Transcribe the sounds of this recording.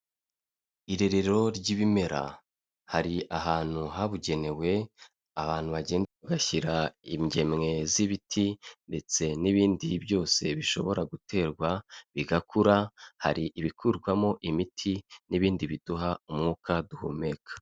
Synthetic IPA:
iɾe̞ɾe̞ɾo̞ɾɟiβime̞ɾa̰ | haɾiaɦaːn̥huɦaβuɟe̞ne̞we̞ | aβaːn̥huβaɟe̞ːndeβaɡaçiɾaimɟe̞mŋe̞ziβitʰinde̞t͡se̞niβiːndibjo̞ːse̞βiʃo̞̰βo̞ɾaɡutʰe̞ːɾɡwaβiɡakʰuɾaha̰ɾiʔːβikʰuɾɡwamo̞ʔimitʰiniβiːndiβid̥uɦaumŋuːkaduhṵme̞kḁ

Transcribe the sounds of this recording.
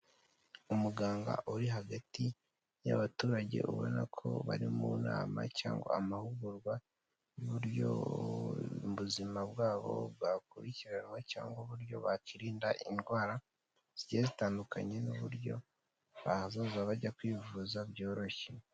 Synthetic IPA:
umuɡaːŋɡa̰ʔuɾiɦaɡati | ja̰βatuːɾaɟe̞̰ʔuβo̞̰nakʰo̞̰βaɾimuna̰ːma̰caːŋɡo̰amahuɡuɾɡwa | uβuɾjo̰ | βuzimaβwaːβo̰βɡakuɾiciɾanweca̰ːŋɡoβuɾjo̞̰βaciɾiːndaʔindɡwaːɾa | z̥iɟezitaːndukʰa̰ɲe̞nuβuɾjo̞̰ | βazozaβaɟakwiːvuːzabjo̞ːɾo̞çe

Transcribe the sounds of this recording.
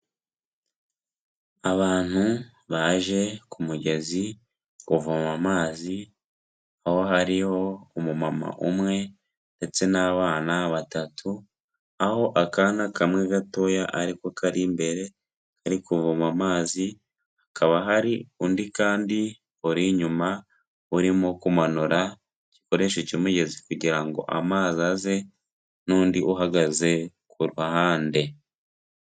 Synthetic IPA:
aβaːn̥hu | βaʒe̞kumuɟe̞zi | kuvumamaːzi | aho̞ɦaɾiho̞umumama̰ʔumŋe̞ | nde̞t͡se̞naβaːnaβatatʰu | aho̞ʔakanakamŋeɡato̞jaʔaɾikokaɾimbe̞ɾe̞ | kaɾikuvumamaːzi | akaβaɦaɾiundikaːndi | oɾiɲuma | uɾimokumanuɾa | ci̥ko̞ɾe̞ʃecimuɟe̞zikuɟiɾaŋɡo̞̰ʔa̰maːziaze̞ | nuːndiʔuɦaɡaze̞ | kuɾuhahaːnde̞

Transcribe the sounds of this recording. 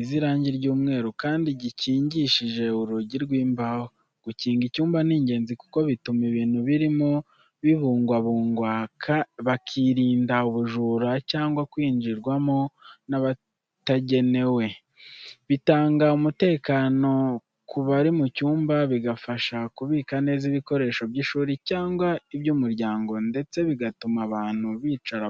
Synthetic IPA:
ziɾaːɲɟiɾɟuːmŋe̞ːɾukaːndiɟiciːɲɟiʃiʒe̞uɾuɟiɾɡwiːmbaho | ɡ̥uciːŋɡicuːmbaniːɲɟe̞ːnziku̥ko̞βitumiβiːn̥huβiɾimo | βiβuːŋɡwaβuːŋɡwakβakʰiɾiːndauβuʒuːɾacaːŋɡwakwiːnd͡ʒiɾɡwamo̞naβa | taɟe̞ne̞we̞ | βitaːŋɡaumute̞ːkaːno̞ | kʰuβaɾimucuːmbaβiɡafaʃakuβiːkane̞ːziβiko̞ɾe̞ːʃo̞bɟiʃuːɾicaːŋɡwaibjumuɾɟaːŋɡo̞nde̞t͡se̞βiɡatumaβaːn̥huβiːt͡ʃaɾa

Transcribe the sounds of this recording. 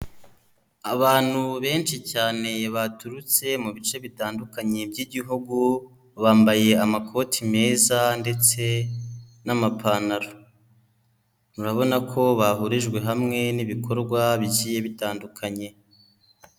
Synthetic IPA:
aβaːn̥huβe̞ːnt͡ʃicaːne̞βatuɾut͡se̞muβit͡ʃe̞βitaːndukaɲebɟiːɟiɦuɡu | βaːmbaje̞amakʰo̞tʰime̞ːzande̞t͡se̞ | namapʰanaɾo | muɾaβo̞nakʰo̞βaɦuɾiʒɡwe̞ɦamŋe̞niβikʰo̞ɾɡwaβiɟiːje̞βitaːndukʰaɲe̞

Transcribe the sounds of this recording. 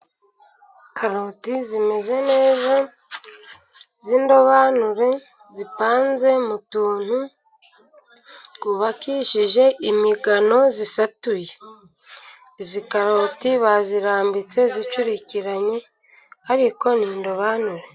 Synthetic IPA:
kʰaɾotizime̞ze̞ne̞ːza | ziːndo̞βanuɾe̞ | zipaːnze̞mutuːn̥hu | kuβakiʃiʒe̞imiɡano̞zisatuje̞ | zikaɾo̞tiβaziɾaːmbit͡se̞zit͡ʃuɾiciɾaɲe̞ | aɾiko̞niːndo̞βanuɾe̞

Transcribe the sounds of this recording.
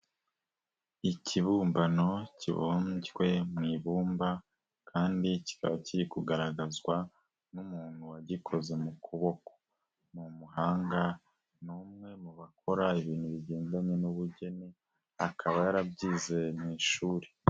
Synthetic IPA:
icʰiβuːmbano̞cḭβo̰mɟwe̞mŋiːβuːmba | kʰaːndici̥ka̰βaciɾikuɡaɾaɡazɡwa | numuːn̥huwaɟikʰo̞ze̞mukʰuβo̞ko̥ | mumuɦaːŋɡa | numŋe̞muβakʰo̞ɾaiβiːnhuβiɟe̞ːndaɲe̞nuβuɟe̞ne | akʰaβajaɾabɟiːze̞mŋiːʃuːɾe

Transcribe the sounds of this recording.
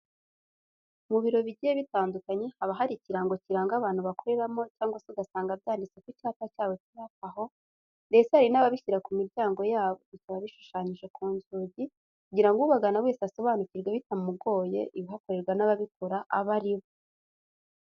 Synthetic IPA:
muβiɾo̞βiɟijeβitaːndukaɲe̞haβaɦaɾiciɾaŋɡo̞ciɾaŋɡaβaːn̥uβako̞ɾe̞ɾamo̞caːŋɡwaseiɡasaːŋɡabɟaːndit͡sekucihatacaːβo̞ciβakaɦo̞ | nde̞t͡sehaɾinaβaβiçiɾakumiɾɟaːŋɡo̞jaːβoicaβaβiʃu̥ʃaɲiʒe̞kʰuːɲɟuɟi | kuɟiɾaŋɡuβaɡanawe̞ːsaso̞βaːnuciɾɡweβitamumuɡo̞ːje̞̰ʔiβiɦako̞ɾe̞ɾɡwanaβaβikuɾaʔaβaɾiβo

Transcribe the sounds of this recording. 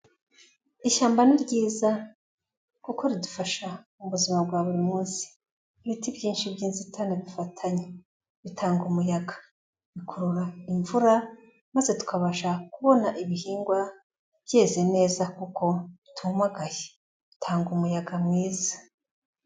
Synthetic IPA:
iʃaːmbaniɾɟiːza | kuko̞ɾidufaʃa | uβuzimab̚ɡwaβuɾimuːnsi̥ː | βitibjiːnʃibjiːnzitʰanaβifatʰaɲe | βitʰaːŋɡumujaɡḁ | βikʰuɾuɾaiɱvuɾa | mazetu̥kaβaʃakuβo̞naʔiβihiːŋɡwa | b̥je̞ːze̞ne̞ːzakuko̞tʰumaɡaje | βitʰaːŋɡumujaɡamŋiːza

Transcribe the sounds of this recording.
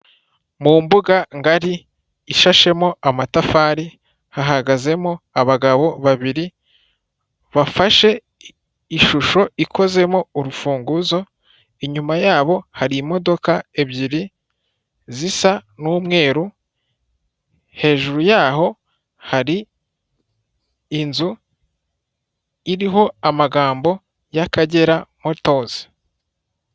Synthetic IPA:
mumbuɡaŋɡaɾiː | ʃaʃe̞moamatafaːɾi | haɦaɡaze̞moaβaɡaβo̞βaβiɾi | βafaʃe̞ | iʃuʃo̞ikʰo̞ze̞moːɾufuːŋɡuzo̞ | eɲumajaːβo̞haɾimo̞do̞kaeβɟiɾi | zisanuːmŋe̞ːɾu | he̞ːʒuɾujaːɦo̞ | haɾi | nzu | iɾiɦo̞amaɡaːmbo̞ | jakaɟe̞ɾamoto̞ːz̥i̥

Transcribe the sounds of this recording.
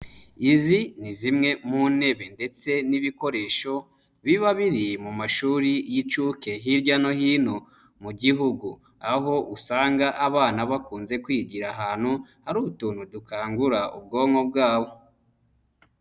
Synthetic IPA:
izinizimŋe̞mune̞βe̞nde̞t͡se̞niβiko̞ɾe̞ːʃo̞ | βiβaβiɾimumaʃuːɾijit͡ʃuke̞ɦiɾɟano̞hiːno̞ | muɟiɦuɡu | aɦo̞ʔusaːŋɡaʔaβaːnaβakuːnze̞kwiːɟiɾaɦaːn̥huhaɾuːβutuːn̥hudukaːŋɡuɾaṵb̚ɡo̞ːŋo̞b̚ɡaːβo̞

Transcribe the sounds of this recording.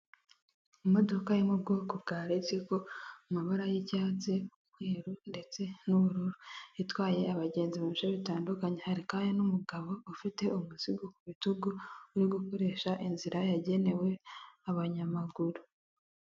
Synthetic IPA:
imo̞do̞kajimubɡo̞ːkubɡaːɾet͡seko̞umaβaɾajicaːt͡se̞umhweːɾunde̞t͡se̞nuβuɾuɾuitwaːje̞aβaɟe̞ːnziβat͡ʃaβitaːndukaɲe̞haɾikajanumuɡaβo̞ufite̞umuziɡokuβituɡouɾiɡuko̞ɾe̞ːʃaʔinziɾajaɟe̞ne̞we̞aβaɲamaɡuɾu

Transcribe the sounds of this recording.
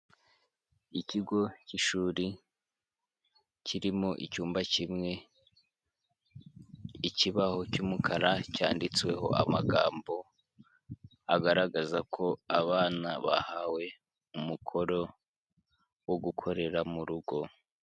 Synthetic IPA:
iciɡo̞ciʃuːɾi | ciɾimoʔicuːmbacimŋe̞ | iciβaho̞cumukʰaɾaca̰ːndit͡swe̞̰ho̞̰a̰maɡaːmbo̞ | aɡaɾaɡazakʰo̞aβaːna̰βa̰hawe̞ | umukʰo̞ɾo̞ | woɡukʰo̞ɾe̞ɾamuɾuɡo̞

